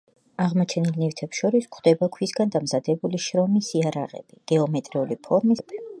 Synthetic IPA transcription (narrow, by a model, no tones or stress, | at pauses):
aʁmɔt͡ʃʰɛnilˠnift̪ʰɛpsʃɔɾiskʰd̪ɛbakʰwisɡand̪amzad̪ɛbuliʃɾɔmisiaɾa̰ʁɛ̰b̥iɡ̥ɛɔmɛt̪ʼɾɛulipʰɔɾmibʰɛ